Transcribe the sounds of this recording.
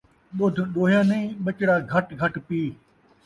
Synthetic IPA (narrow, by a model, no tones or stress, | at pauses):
ɓʊd̪ʱɗoːɦjãːnẽĩːɓət͡ʃɽaːɡʱɐʈɡʱɐʈpiː